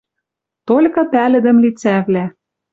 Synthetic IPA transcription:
t̪olʲkɤ̆pælɘ̆d̪ɘ̆mlit͡sævlæ

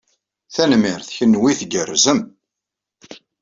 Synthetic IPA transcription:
θænmɪɾθçənːwiθɡərːzəm

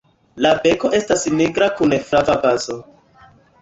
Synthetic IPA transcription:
labe̞ko̞ʔe̞stasniɡɾakunefɾavabazo

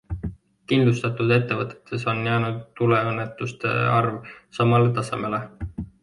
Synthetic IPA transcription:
kind̪lust̪ɑt̪ud̪e̞t̪ːe̞vɤt̪ːˑe̥t̪ːˑe̞so̞njæːnud̪̚t̪ːule̞ɤnːet̪ːˑust̪e̞̰ɑrvsɑmɑlet̪ɑse̞̰me̞le̞

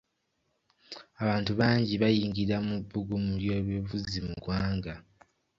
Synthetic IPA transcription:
aβaːntuβaːɲɟiβajiːŋɡiɾamuβːuɡumuljo̞ːβjevuzimuɡwaːŋɡa

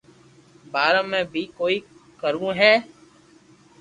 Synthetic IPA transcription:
baːɾə̃mːɛ̃ːbʱiːkoːiːkəɾũːɦɛː

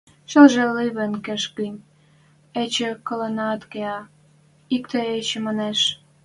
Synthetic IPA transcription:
ʃəlʒeliβənkĕʃkim | et͡ɕĕkɤlənɑt̪keɑ | ik̚t̪eet͡ɕĕmɑneʃ

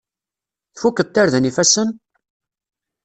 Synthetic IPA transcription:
θfukːəð̚t̪ːaɾðənifæsən

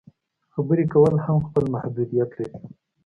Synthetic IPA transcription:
xabəɾekawəlhamxpəlmahd̪ud̪ijat̪laɾi

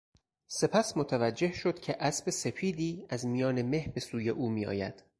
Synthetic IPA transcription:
se̞pʰæsmot̪ʰævæd͡ʒːe̞hʃo̞d̪̥cʰe̞ʔæsbe̞se̞fʰiːd̪iːæzmijɒːne̞me̞hbe̞suːje̞ʔuːmiːɒ̰ːjæ̰d̪̥

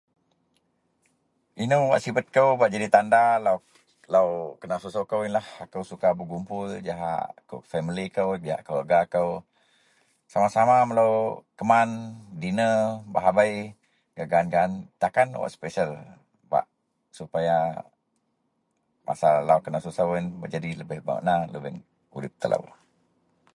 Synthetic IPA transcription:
inəwwa̰ʔsibət̪̚kəwbaʔd͡ʒadit̪andalaw | lawkənasusokəwinlahakəwsukabəɡumpʊld͡ʒaɦa̰ʔkə̰fɛmilikəwd͡ʒiɦa̰ʔkəwəɡaːkəw | samasamaməlawkəmandinəbaɦabaj | ɡ̥aɡaːnɡaːnt̪akanwa̰ʔspɛsəl | ba̰ʔ | supaja | mʔa̰salawkənasusawinbəd͡ʒadiləbɪhba̰ṵʔnaləbən | ṵdɪp̚t̪əlʔa̰w

